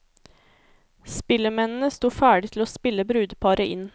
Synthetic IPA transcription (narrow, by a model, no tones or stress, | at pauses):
spɪləmɛnn̩əst̪uːfæːɖɪt̪ʰloːspɪlːəbɾʉːd̪pʰɑɾəʔɪ̰n